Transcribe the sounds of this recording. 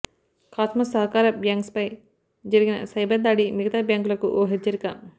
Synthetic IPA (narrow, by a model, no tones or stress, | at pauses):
kaːt̪mɐsɐɦɐkaːɾɐbjaːŋkspɐj | d͡ʒɐɾiɡinɐ̰sɐjbɐɾd̪aːɽimiɡɐt̪aːbjaːŋkulɐkuʔoːɦet͡ʃːɐɾikɐ